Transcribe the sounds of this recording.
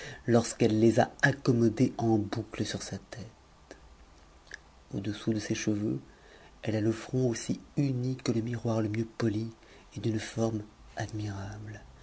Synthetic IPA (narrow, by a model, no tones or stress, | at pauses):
lɔʁskɛlːeza̰akɔmɔd̪eʔɑ̃bukləsyʁsat̪ɛt̪ | o̰d̪əsud̪əseʃəvø | ɛlaləfχɔ̃osiynikələmiʁwaʁləmjøpɔli | ed̪ynfɔʁm | ad̪miʁabl